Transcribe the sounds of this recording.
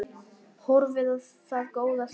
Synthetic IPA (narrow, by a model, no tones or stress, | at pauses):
hoɾvɪð | θaðɡowðas